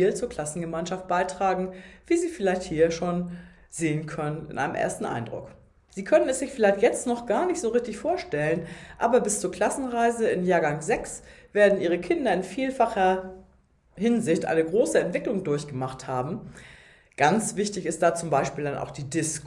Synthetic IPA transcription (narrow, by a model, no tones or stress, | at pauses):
lt͡suːɐkʰl̥asn̩ɡəmaɪnʃaft̚b̥aɪtʁ̥aːɡŋ̩v̥iːziːfɪlaɪçthiːɐʃoːn | zeːənkʰœnənɪ̰nʔa̰ɪnəmʔḛːɐstn̩ʔa̰ɪndʁʊ̰k | z̥iːkʰœnənɛsz̥ɪçfɪlaɪçtjɛt͡stnɔχɡ̥aːɐnɪçtz̥oːʁɪçtɪçfoːɐʃtɛlənʔaːbɐbɪst͡suːɐkʰl̥asn̩ʁaɪzəɪnjaːɐɡaŋzɛksv̥eːɐdn̩ʔiːʁ̞əkʰɪndɐɪnfiːlfaχɐ | hɪnzɪçtʔa̰ɪnəɡʁoːsəɛntv̥ɪklʊŋdʊɐçɡ̥əmaχthaːbm̩ | ɡ̥ant͡sv̥ɪçtɪçɪst̚d̥aːt͡sʊmbaɪʃpiːldanʔa̰ʊxd̥iːdɪs